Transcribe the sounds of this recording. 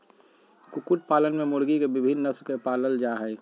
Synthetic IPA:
kʊkʊʈ̚paːlənmẽmʊɽɡikebɪbʱɪnːəsɾkepaːləld͡ʒaːɦɛ

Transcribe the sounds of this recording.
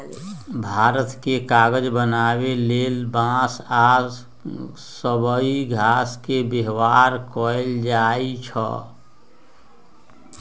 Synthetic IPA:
bʱaːɾət̪kekaːɡəd͡ʒbənaːweleːlbãːsaːz | səbəiɡʱaːskebeɦwaːɾkɔːɪld͡ʒaːit͡ʃʰɔ̰

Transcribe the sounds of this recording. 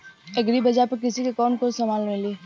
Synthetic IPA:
eɡɾibɐd͡ʒapɐɾk̬ɪsikekɔːnkoːsɐmaːlneliː

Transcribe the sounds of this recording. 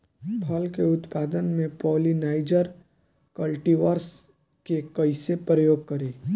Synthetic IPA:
pʰɐlkeʊt̪paːd̪ənmẽpɔːlinaːɪd͡ʒəɾ | kəlʈiʋəɾs | kekɐɪsepɾəjoːɡ̚kɐɾeː

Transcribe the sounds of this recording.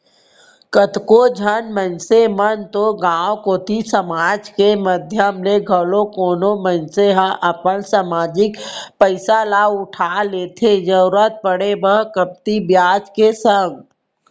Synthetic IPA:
kət̪kod͡ʒʱənmə̃nsemənt̪oɡãːwkoːt̪isəmaːd͡ʒkeməd̪ʱjəmleɡʱəlokoːnomə̃nseɦaʔəpənsaːmaːd͡ʒɪkpəɪsalaːʊʈʰaleːt̪ʰed͡ʒəɾuɾət̪̚pəɽebəɦkəp̚t̪ibjaːd͡ʒkesə̃ŋɡ

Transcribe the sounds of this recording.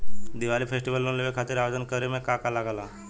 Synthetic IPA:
d̪iʋalifʰesʈiʋəlːonleʋekʰat̪iːɾaʋəd͡ʒənkəɾemẽkakalaɡala

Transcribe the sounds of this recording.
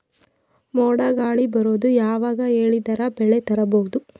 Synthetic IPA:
moːɽɐɡaːɭibɐɾoːd̪ujaːʋaːɡɐe̞ːɭid̪ɐɾɐbɛɭet̪ɐɾɐboʋud̪u

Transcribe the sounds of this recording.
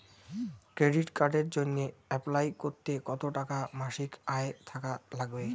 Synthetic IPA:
kɾeɖiʈkaɾɖeɾd͡ʑonːeɛplajkoɾt̪ekɔt̪oʈakamaʃikaet̪ʰakalaɡbe

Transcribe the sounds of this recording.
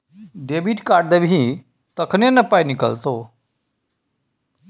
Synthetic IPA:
ɖeːbiːʈkaːɖd̪ebɦĩ | t̪əkʰnenɐpainɪkə̰lt̪oː

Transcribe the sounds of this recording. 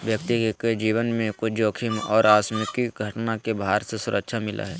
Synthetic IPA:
ʋjək̚t̪ikeked͡ʒiːwənmẽkod͡ʒoːkʰimɔːɾaːsmɪkiɡʱɐʈnakebaːɾsesʊɾʔəkʃʰamɪlʔa̰ɦɛː

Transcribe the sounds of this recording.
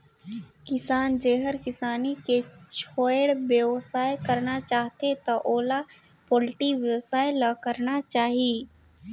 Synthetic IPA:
kɪsaːnd͡ʒeːɦəɾkɪsaːniket͡ʃʰoːjɽbjəwsaːjekɐɾnat͡ʃaːɦt̪et̪ɐʔoːla | poːlʈiʋjəwsaːjelakəɾnat͡ʃaːɦiiː

